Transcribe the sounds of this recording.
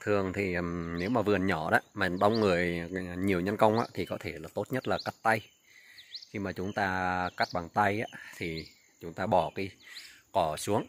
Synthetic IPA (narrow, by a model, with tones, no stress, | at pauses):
t̪ʰɨ˨˩əŋt̪ʰi˨˩ə˨˩mne˨˦wmaː˨˩vɨ˨˩ənɲɔ˧˩ɗa̰ː˧˥˦maː˨˩ɗə˧wŋ͡mŋɨ˨˩əjɲi˨˩əwɲə˧nkə˧wŋ͡mʔa̰ː˧˥t̪ʰi˨˩kɔ˨˦t̪ʰe˧˩laː˨˩t̪o˦˥t̚ɲə˦˥t̚laː˨˩ka˦˥t̚t̪a˧j | xi˧maː˨˩t͡ɕʊ˨˦ŋ͡mt̪aː˧ka˦˥t̚ɓaː˨˩ŋt̪a˧jʔa̰ː˧˥t̪ʰi˨˩ | t͡ɕʊ˨˦ŋ͡mt̪aː˧ɓɔ˨˩ki˨˧˦kɔ˧˩su˨˦əŋ